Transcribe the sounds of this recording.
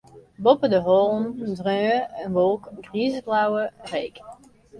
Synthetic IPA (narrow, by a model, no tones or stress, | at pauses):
bɔpədəɦɔlˠndrøːəənʋolˠkɡriːzəblawərejk